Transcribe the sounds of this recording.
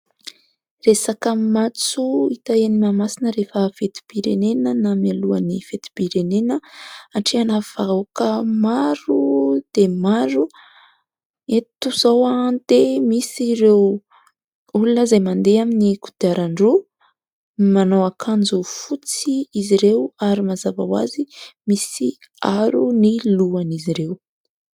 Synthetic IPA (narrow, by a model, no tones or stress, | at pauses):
resakəmat͡suit̪aenimamasinəɾefəfet̪i̥b̥iɾenenənamialuanifet̪i̥b̥iɾenenəaɳʈ͡ʂianav̥aokəmaɾud̪̥emaɾu | et̪uz̥owand̪emisiɾew | ulunəzajmand̪eaminiku̥d̪̥iaɾaɳɖ͡ʐu | manowakʰand͡zufut͡siiziɾewaɾimazavawa̰zimisi | aɾuniluaniziɾew